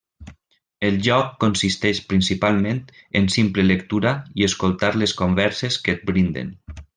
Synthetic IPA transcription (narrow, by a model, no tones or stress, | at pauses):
elʒɔkːonsist̪ɛʃpɾinsipalˠmẽnt̪ensimplelekt̪uɾaieskolˠt̪aɾleskombɛɾsesket̪̚bɾind̪ḛn